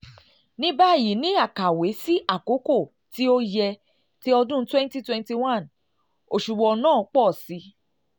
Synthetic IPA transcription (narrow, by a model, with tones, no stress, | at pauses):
nĩ˦ba˦˨ji˨˦nĩ˨˦a˦˨ka˨we˨˦si˦ʔa˦˨ko˨˦ko˦˨ | ti˦o˦jɛ˧ | ti˦ɔ˧dũ˦twɛ̃˦n˦ti˦twɛ̃˦nti˧wã˦˨n | o˨ʃu˨ɡ͡bɔ˧nãː˦˨˧k͡pɔ˦˨si˨˦